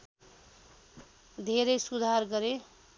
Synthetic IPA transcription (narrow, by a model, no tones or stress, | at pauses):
d̪ʱeɾʌjsud̪ʱarɡʌɾe